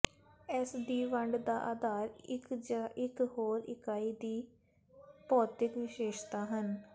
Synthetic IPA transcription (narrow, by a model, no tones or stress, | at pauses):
ɛːsd̪iːʋəɳɖd̪aːʔaːd̪aːɾɪkd͡ʒaːɪkhoːɾɪ̰kaːiːd̪iː | pɔːt̪ɪkʋɪʃeːʃt̪aːɦən